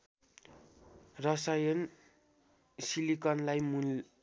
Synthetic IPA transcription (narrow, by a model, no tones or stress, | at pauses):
rʌsajʌn | silikʌnlajmu